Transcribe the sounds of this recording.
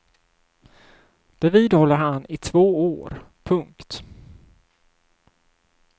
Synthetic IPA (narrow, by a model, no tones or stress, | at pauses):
d̪̥ɛviːd̪hɔlːəɾɦanɪt̪ʰvoːoːɾ | pʰɵŋkt̪